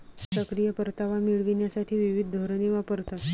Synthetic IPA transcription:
səkɾijəpəɾt̪aʋamiɭʋinjasaʈʰiːʋiʋid̪̚ʱd̪ʱoɾneʋapəɾt̪at̪

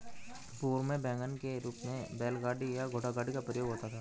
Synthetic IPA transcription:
puːɾmẽbɛ̃ːŋɡənkeɾuːpmẽbeːlɡaːɖijaɡʱoːʈaɡaːɖikapɾəjoːɡɦoːt̪at̪ʰaː

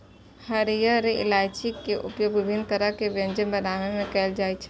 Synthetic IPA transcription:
həɾijəɾeʔɪ̰laːɪt͡ʃikːeʔʊ̰pjoːɡʋɪbʱɪnt̪əɾəɦkeʋjə̃nd͡ʒənbənaːʋemẽkɛːld͡ʒaːit͡ʃʰɛ

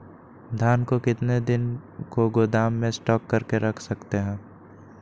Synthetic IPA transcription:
d̪ʱaːnkokɪt̪ned̪ɪnkoɡod̪aːmːẽsʈɔːkːɐɾkeɾɐkʰsɐkt̪eɦɛ̃ː

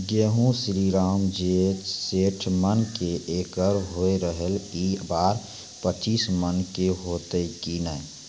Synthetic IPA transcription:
ɡeːɦũsɾiːɾaːmd͡ʒet͡ʃseːʈʰmənkeʔeːkəɾɦoeɾəɦəliːbaːɾ | pət͡ʃiːsmənkeɦoːt̪ekinɛ

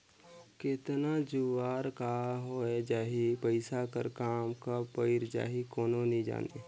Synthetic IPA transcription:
kɪt̪nad͡ʒuʋaːɾkaɦoed͡ʒaːɦipəɪsakə̰ɾkaːmkapəɪɾd͡ʒa̰ːɦikoːnonĩd͡ʒa̰ːnḛ

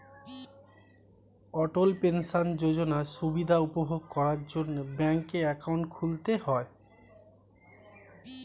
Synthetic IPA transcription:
ɔʈolpenʃand͡ʑod͡ʑonaʃubid̪ʱaupobʱoɡ̚kɔɾaɾd͡ʑonːobɛŋkeɾɛkawɳʈkʰult̪eɦɔe

